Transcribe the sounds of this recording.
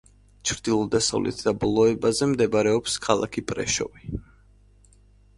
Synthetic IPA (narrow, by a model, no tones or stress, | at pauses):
t͡ʃʰɾd̪ilˠɔd̪asa̰vlʔɛ̰t̪ʰd̪̥abɔlˠɔɛbazɛmd̪ɛbaɾɛɔpskʰalˠa̰kʰipʼɾɛ̰ʃɔ̰vi